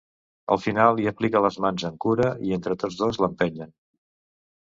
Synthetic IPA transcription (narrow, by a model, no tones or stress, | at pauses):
ə̰lˠfinalˠiəplikələzmanzəŋkuɾəient̪ɾət̪od͡zðozləmpɛɲən